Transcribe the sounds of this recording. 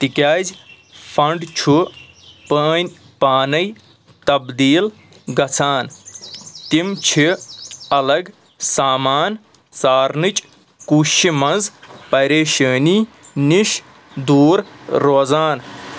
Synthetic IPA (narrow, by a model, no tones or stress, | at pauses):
t̪ikʲaːzʲ | fʰɐɳɖt͡ʃʰu | pəːnʲ | paːnɐj | t̪ɐbd̪iːl | ɡɐt͡sʰaːn | t̪imt͡ʃʰiɐlɐɡ | saːmaːn | saːɾnɨt͡ʃʼ | kuːʃimɐnzpɐɾeːʃəːniːniʃ | d̪uːɾːoːzaːn